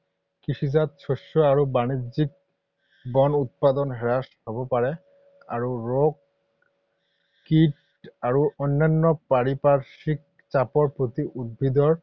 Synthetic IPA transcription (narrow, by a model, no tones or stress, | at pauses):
kisʰizat̪̚sʰɔʃːɔaɹubanizik̚ | bɔnut̪̚pad̪ɔnɦɛɹasɦɔbɔpaɹɛ | a̰ɹuɹok | it | aɹuʔɔnːanːɔpaɹipasik̚ | t͡ɕapɔɹpɹot̪iʔud̪̚bʱid̪ɔɹ